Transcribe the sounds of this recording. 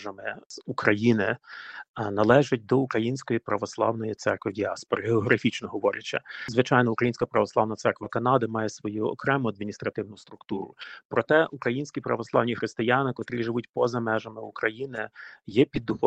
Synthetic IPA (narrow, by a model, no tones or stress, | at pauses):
ʒɐmɪz̥ukɾɐjinɪ | nɐlˠɛʒɐt̚ʲd̪ɔukɾɐjinʲsʲkɔjipɾɐʋɔslˠɑ̰wnɔjit̪sɛ̰rkʋɪdʲiɑspɔɾɐɦeɔɦɾɐfʲit͡ʃnɔɦɔʋɔɾʲɐt͡ʃːɐ̰zʋɪt͡ʃɑjnɔukɾɐjinsʲkɐpɾɐʋɔslˠɑwnɐt̪sɛrkʋɐkɐnɑd̪ɪmɑjɛsʋɔjuɔ̰kɾɛmʊɐd̪̚mʲinʲist̪ɾɐt̪ɪwnʊst̪ɾʊkt̪uɾʊ̰pɾɔt̪ɛʔukɾɐjinʲsʲkʲipɾɐʋɔslˠɑwnʲixɾɪst̪ɪjanɪkɔt̪ɾʲiʒɪʋutʲpɔzɐmɛʒɐmɪukɾɐjinɪjɛpʲid̪ːʊxɔ